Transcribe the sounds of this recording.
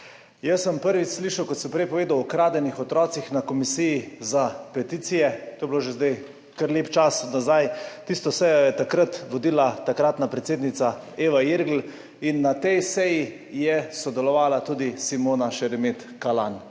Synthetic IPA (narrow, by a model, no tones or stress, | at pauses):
jəsːəmpəɾʋit͡ʃsliːʃɐwkɔt̪sɛmpɾɛjpɔʋeːd̪awɔkɾaːd̪ɛnixɔt̪ɾɔːt̪sixnakɔmisijizapɛt̪it̪sijɛt̪oːjɛbiloʒezd̪aj | kəɾleːpt͡ʃasnazajt̪ist̪ɔsɛjɔjɛt̪akɾat̪ʋɔd̪iːlat̪akɾaːt̪napɾɛt̪seːd̪nit̪saeːʋajiɾɡl̩ | inːat̪ɛjsɛji | jɛsɔd̪ɛlɔʋaːlat̪uːd̪isimoːnaʃɛɾɛmet̪kalan